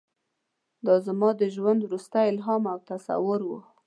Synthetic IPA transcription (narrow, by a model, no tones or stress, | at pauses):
d̪ɑzamɑd̪əʒwand̪wɾust̪ajɪlɦɑmawt̪asa̰wʊɾwu